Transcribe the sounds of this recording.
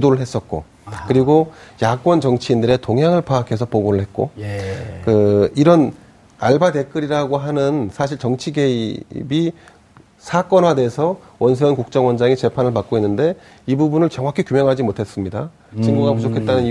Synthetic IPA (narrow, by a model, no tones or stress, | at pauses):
udoɾɯɭɦe̞s͈ʌt̚k͈o̰ | kɯɾiɡojak͈wʌnt͡ɕʌŋt͡ɕʰiindɯɾe̞toŋɦjaŋɯɭpakʰe̞sʰʌp͈oɡoɾɯɭɦe̞t̚k͈o̰ | kɯiɾʌn | aɭbade̞k͈ɯɾiɾaɡoɦanɯnsʰaɕ̬ʰiɭt͡ɕʌŋt͡ɕʰiɡe̞ibi | sʰak͈ʌnɦwadeːsʰʌwʌns̬ʰewʌnkuk̚t͡ɕ͈ʌŋwʌnd͡ʑaŋit͡ɕe̞pʰanɯɭpak͈̚oinːɯnde̞ | ibubunɯɭt͡ɕʌŋɦakʰikjumjʌŋɦad͡ʑimotʰe̞s͈ɯmɲida | t͡ɕiŋɡuɡamud͡ʑokʰe̞t̚t͈anɯni